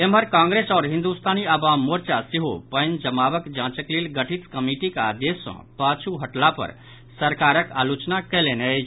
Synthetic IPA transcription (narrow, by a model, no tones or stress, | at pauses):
emɦəɾkãŋɡɾesɔːɾɦĩnd̪ust̪ʰaniəbamːoɾt͡ʃasiɦopənd͡ʒəmaʋəkd͡ʒãt͡ʃəklelɡəʈʰit̪kəmiʈika̰d̪jesɔ̰̃pat͡ʃʰuɦəʈlapə̰ɾ | səɾkaɾəkalut͡ʃnakɛlenə